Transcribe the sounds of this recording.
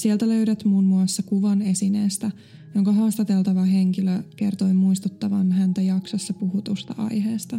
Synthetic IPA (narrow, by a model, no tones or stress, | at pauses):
sielt̪æløyɾæt̪munmuɑsːɑkuʋɑne̞sineːst̪æ | joŋkɑɦɑːst̪ɑt̪elt̪ɑʋɑɦe̞ŋkiløke̞rt̪oimuist̪ut̪ːɑʋɑnɦænt̪æjɑksɑsːɑpuɦut̪ust̪ɑʔɑ̰jɦeːst̪ɑ